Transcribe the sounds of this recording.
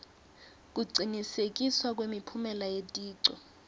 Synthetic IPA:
k̬ʼuɡ͡ǀʱinisek̬ʼiswak̬wemipʰumɛlajetʼiːǀɔ̰

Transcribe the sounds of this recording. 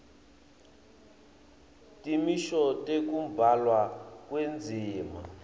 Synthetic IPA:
tʼimiʃɔtʼek̬umbʱalwakwend͡zʱiːma̰

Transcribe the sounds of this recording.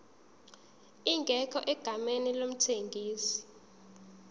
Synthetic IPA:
iŋɡʱɛkʰɔʔɛɡ̥ʱamenilom̩tʰeŋɡʱiːsi̥

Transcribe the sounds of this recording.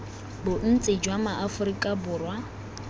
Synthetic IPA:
bʊn̩t͡sʼɪd͡ʒwamaʔafʊɾikʼabʊːrwa

